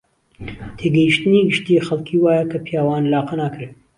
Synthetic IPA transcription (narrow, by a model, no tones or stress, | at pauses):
t̪ʰeːɡɛjiʃt̪ɨniːɡɨʃt̪ijeːxɐlkʰiːwaːjɛkʰɐpʰijaːwaːnlaːqɐnaːkɨɾɨ